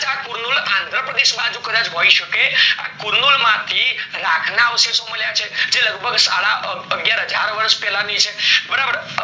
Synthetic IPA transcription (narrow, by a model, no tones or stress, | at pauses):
d͡ʒakuɾnulãnd̪ɾəpɾəd̪eʃmãd͡ʒũkəd̪ãd͡ʒɦoiʃəkea̰kuɾnulmãt̪ʰiɾakʰnaʋsisoməljat͡ʃʰed͡ʒeləɡbʱəɡsa̰ɭaʔəɡjaɾɦəd͡ʒʱaɾʋəɾʃpɛlãnit͡ʃʰebəɾabəɾ